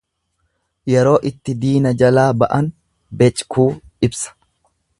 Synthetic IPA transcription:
jɛɾo̞ːʔɪt̪ːɪd̪iːnɐd͡ʒɐlaːbɐʔɐn | bɛt͡ʃʼkʰuːɪbsɐ̥

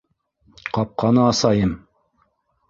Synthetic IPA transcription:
qɑp̚qɑnɤːsɑjɤm

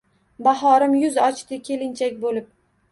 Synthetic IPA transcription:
bahɒɾɪmjʊzɒt͡ʃt̪ɪkʲʰe̞lɪnt͡ʃʰakʲbolɪp̚

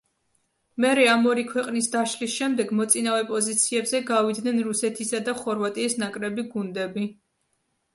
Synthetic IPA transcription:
mɛɾɛamɔɾikʰwɛqʼnisd̪aʃlisʃɛmd̪ɛɡmɔt̪sʼinavɛpʼɔzit̪sʰiɛbzɛɡavid̪nɛnɾusɛt̪ʰisad̪aχɔɾvat̪ʼiːsnakʼɾɛbiɡund̪ɛbi

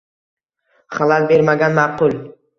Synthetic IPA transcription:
χalalbe̞ɾmaɡʲanmaɾqʊlˠ

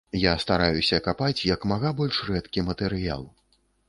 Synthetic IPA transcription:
jast̪aɾajusʲɐkapat͡sʲjɐkmaɣabɔlʲʂrɛt̪kʲimɐt̪ɛɾɨja̰lˠ

